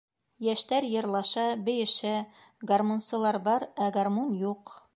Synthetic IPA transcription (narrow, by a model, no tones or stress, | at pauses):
jæʃt̪æɾjɤ̆ɾlˠɑʃɑbɘ̆jɘ̆ʃɘ | ɡarmonsɤ̆lˠɑɾbɑɾæɡarmonjuq